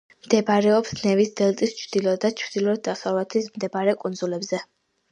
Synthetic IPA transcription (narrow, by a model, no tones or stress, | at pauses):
md̪̥ɛbaɾɛɔpsnɛvisd̪ɛlˠt̪ʼist͡ʃʰvd̪̥ilˠɔd̪at͡ʃʰvd̪ilˠɔd̪asalat̪ʰismd̪ɛbaɾɛkʼunzulɛbzɛ